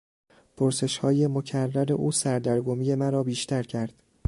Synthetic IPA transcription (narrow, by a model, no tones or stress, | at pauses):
pʰoɾse̞ʃhɒːje̞mo̞cʰærːæɾe̞ʔuːsæɾd̪æɾɡomiːje̞mæɾɒːbiːʃt̪ʰæɾcʰæɾd̪̥